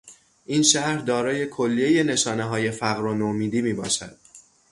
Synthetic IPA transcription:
ʔiːnʃæɾd̪ɒːɾɒːje̞kʰolːie̞je̞ne̞ʃɒːne̞ɦɒːje̞fæɣɾonomiːd̪iːmiːbɒ̰ːʃæ̰d̪̥̚

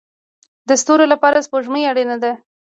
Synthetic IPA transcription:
d̪əst̪oɾolapɑɾaspoʒməaɽenad̪a

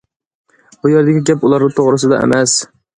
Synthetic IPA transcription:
bʊjeɾd̪aɡʲɪɡʲapʊlˠaɾnɪt̪ʰoʁɾɪsɪd̪a̰ḛmas

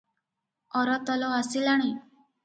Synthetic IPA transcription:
ɔɾɔt̪ɔlɔasilaɽ̃i

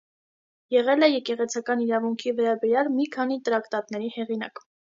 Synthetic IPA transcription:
jɛʁɛlɛjɛkɛʁɛt͡sʰɑkɑniɾɑvuŋkʰivɛɾɑbɛɾjɑlmikʰɑn̪it̪əɾɑkt̪ɑt̪nɛɾihɛʁinɑ̰k

